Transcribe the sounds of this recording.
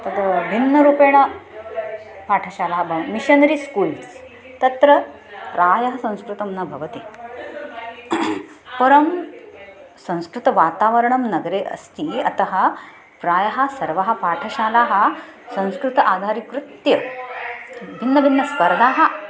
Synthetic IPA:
t̪ɐd̪bʱinːɐɾuːpeːɳ̃ɐ | paːʈʰɐɕaːlaɦɐbʱɐʋmiɕɐnɾiskuːls | t̪ɐt̪ɾɐ | ɾaːjɐɦɐsɐ̃w̃skɾut̪ɐmnɐbʱɐʋɐt̪i | pɐɾɐm | sɐ̃w̃skɾut̪ɐʋaːt̪aːʋɐɾɐɳɐmnɐɡɾeːʔɐ̰st̪iːɐt̪ɐɦɐ̆ | pɾaːjɐɦɐ̆sɐɾʋɐɦɐ̆paːʈʰɐʃaːlaɦɐ̆sɐ̃w̃skɾut̪ɐʔaːd̪ʱaɾikɾut̪jɐ | bʱinːɐbʱinːɐspɐɾd̪ʱaːɦɐ̆

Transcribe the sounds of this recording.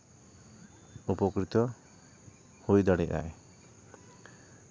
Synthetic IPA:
upɔkɾit̪ɔ | hujd̪ɔɽiʔ̚a̰e

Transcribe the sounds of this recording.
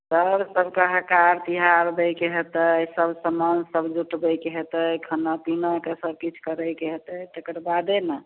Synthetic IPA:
səɾsəbkəɦkaɾt̪iɦaɾb̪əjkeɦet̪əjsəbʱsəmənsəbd͡ʒuʈbəjkeɦet̪əjkʰənəpinakesəb̚kit͡ʃʰkəɾəjkeɦet̪əjt̪əkəɾbad̪enə

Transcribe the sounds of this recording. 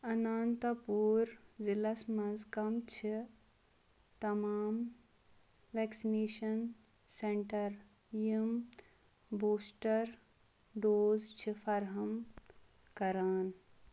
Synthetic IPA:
ɐnaːnt̪ɐpuːɾzilɐsmɐzkɐmt͡ʃʰi | t̪ɐmaːm | ʋɛːksineːʃɐn | seɳʈɐɾ | jim | boːsʈɐɾ | ɖoːzt͡ʃʰifɐɾɦɐm | kɐɾaːn

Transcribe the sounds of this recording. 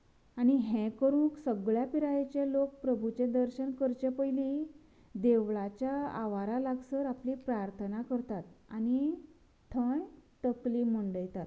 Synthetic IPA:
añiɦɛ̃kəɾũːksəɡɭjapiɾajet͡ɕelok̚pɾəbʱut͡ɕẽd̪əɾɕənkəɾt͡ɕepəjli | d̪eʋɭat͡ɕjaa̰ʋaɾalaɡsəɾaplipɾaɾt̪ʰənakəɾt̪at̪a̰ni | t̪ʰəɳt̪əkliməɳɖəjt̪at̪

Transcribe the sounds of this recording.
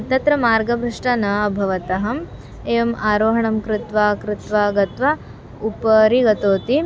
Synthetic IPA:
ɐt̪ɐt̪ɾɐmaːɾɡɐbʱɾiʂʈɐnɐɐbʱɐʋɐt̪ɐɦɐm | eːjɐmaːɾoːɦɐɳɐmkɾɪt̪ʋaːkɾɪt̪ʋaɡɐt̪ʋa | upɐɾiɡɐt̪oːt̪i

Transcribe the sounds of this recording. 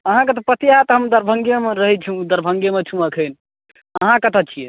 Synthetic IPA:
əɦãket̪̬ɔpət̪iat̪ɦəmd̪əɾbʱə̃ŋɡjemeɾəɦɛt͡ʃʰũd̪əɾbʱə̃ŋɡjemet͡ʃʰũəkʰən | əɦãkət̪ət͡ʃʰiḛ

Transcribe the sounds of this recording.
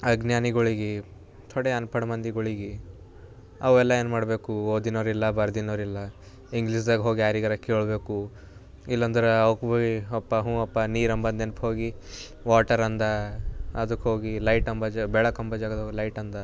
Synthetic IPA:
ɐɡnjaːniɡoɭiɡi | t̪ʰɔɽeɐnpʰɐɽɐmɐnd̪iɡoɭiɡi | ɐʋɛlːɐeːnmaːɽbe̞ːkuoːd̪inɐɾilːɐbɐɾd̪inɐɾilːɐ | iŋɡlis̬d̪ɐɡɦoːɡiaːɾiɡɐɾɐkeːɭbe̞ːku | ilːɐnd̪ɐɾeɐwkboiɔpːɐɦũːɐpːɐniːɾɐmbɐnd̪enpɦo̞ːɡi | ʋaːʈɐɾɐnd̪ɐɐd̪ɐkːɦo̞ːɡilɐjʈɐmbɐd͡ʒabɛɭɐkɐmbɐd͡ʒaːɡɐd̪ɦoːɡilɐjʈɐnd̪ɐ

